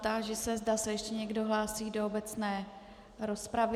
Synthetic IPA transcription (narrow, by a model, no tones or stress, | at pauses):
t̪aʒɛsɛzdasɛjɛʃcɛɲɛɡdo̞ɦlaːsiːdo̞obɛt͡snɛː | ɾospɾav